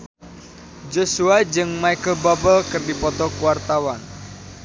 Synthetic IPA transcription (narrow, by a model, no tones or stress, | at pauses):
d͡ʒosuad͡ʒɨŋmaikəlbabəlkɨrdipɔt̪ɔkuwart̪awan